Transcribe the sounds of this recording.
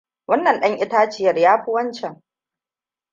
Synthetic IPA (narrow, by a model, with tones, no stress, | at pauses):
wɐ˦nːɐ˨nɗɐ˦ŋʔɪ˦taː˦t͡ʃɪ˦jɐ˨rjaː˦ɸʊ˦wɐ˦nt͡ʃɛ˨ŋ